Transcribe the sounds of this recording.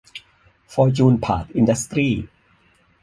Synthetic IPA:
fɔː˧t͡ɕuː˧npʰa̰ː˨˩t̪̚ʔi˧nda˦˥st̪ɾiː˥˩

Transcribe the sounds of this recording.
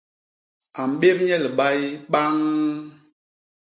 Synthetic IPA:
a˨m̩˨ɓe˦p̚ɲɛ˦lɓa˦jɓa˦ŋ

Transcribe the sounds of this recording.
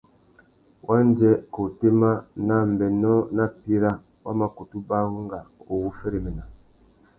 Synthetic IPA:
wʔa˦n˦d͡ʒɛ˦ko˨te˦ma˦na˦˨m˨bɛ˨nɔ˦na˦pi˦ɾa˦ | wʔa̰˦ma˦ko˨tu˦ba˦ɣu˦ŋɡa˨u˨wu˦fɛ˦ɾi˨mɛ˨na˨

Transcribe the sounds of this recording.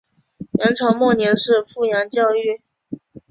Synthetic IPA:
jɑ˧˥ŋʈ͡ʂʰɑ˧˥ʊmwɔ˥˩njɛ˧˥nʂɻ̩˥˧fu˥˩jɑ˧˥ŋt͡ɕjɑ˥˧ʊy˥˩

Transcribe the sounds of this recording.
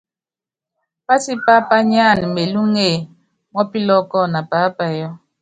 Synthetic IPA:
pa˦si˦pa˦pa˦ɲ˦a˦˨n˨me˨lu˦ŋe˦˨ | mɔ˦pi˦lɔ˦kɔ˦˨na˨pa˨˦pa˨jɔ˦

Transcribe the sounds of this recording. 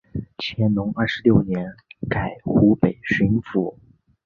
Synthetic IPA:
t͡ɕʰjɛ˧˥nnʊ˧˥ŋɐ˥˩ʂɻ̩˧˥ljo˥˩ʊnjɛ˧˥nka˨˩ɪxu˧˥pe˨˩ɪʂi˧˥nfu˧˥

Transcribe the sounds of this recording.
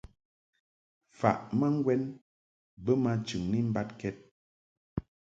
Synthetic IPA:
fa̰˨ʔma˦ŋ˦ɡwɛ˦n | bə˦ma˦t͡ʃʉ˨ŋni˦m̩˦ba˦t̚kɛ˦t̚

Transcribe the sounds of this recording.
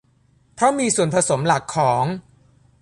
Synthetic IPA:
pʰɾɔ˦˥miː˧su˨˩ənpʰa˧so˩˦mla˨˩kʰːɔː˩˦ŋ

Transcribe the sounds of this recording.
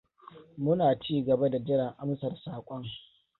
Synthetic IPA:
mʊ˦naː˨t͡ʃiː˦ɡɐ˨ba˦da˨d͡ʒɪ˦ɽɐ˨ŋʔa˦msɐ˨rsaː˨kʷʼɔ˦ŋ

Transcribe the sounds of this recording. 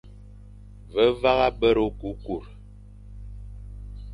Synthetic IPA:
və˨˦va˦ɣa˦bə˦ɾo˨˦ku˨˦ku˨ɾ

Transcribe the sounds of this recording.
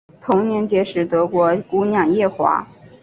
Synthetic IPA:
t̪ʰʊ˧˥ŋnjɛ˧˥nt͡ɕjɛ˧˥ʂɻ̩˨˩t̪ɤ˧˥kwɔ˧˥ku˥njɑ˥˩ŋjɛ˥˩xwa̰˧˥

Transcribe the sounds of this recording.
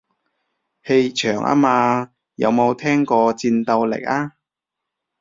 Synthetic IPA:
he˧jt͡ʃʰœː˨˩ŋʔa̰ː˥maː˧ | jɐ̰˨˧wmo˨˧wt̪ʰɛː˥ŋkɔː˧t͡siː˧nt̪ɐ˧wlɪ̰˨˩k̚aː˥

